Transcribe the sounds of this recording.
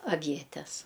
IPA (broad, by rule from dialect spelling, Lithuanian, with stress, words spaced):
ɐˈʋʲiɛtʲɛs